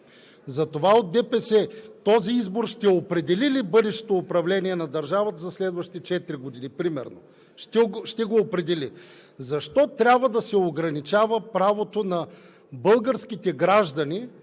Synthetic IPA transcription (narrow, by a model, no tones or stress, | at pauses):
zɐt̪ovaot̪̚d̪ɛpɛsɛt̪ɔziizboɾʃt̪ɛopɾɛd̪ɛlilibɤd̪ɛʃt̪e̥t̪oːpɾɐvlɛniɛnɐd̪ɐɾʒavət̪əzɐslɛd̪vɐʃi̥t̪ɛt͡ʃɛt̪ɾiɡod̪inipɾimɛ̰ɾno̰ | ʃt̪ɛʃt̪ɛɡoːpɾɛd̪ɛli | zɐʃt̪ɔt̪ɾʲabvɐd̪ɐsɛoɡɾɐnit͡ʃavəpɾavot̪onɐ | bɤlˠɡəɾskit̪ɛɡɾaʒd̪ɐni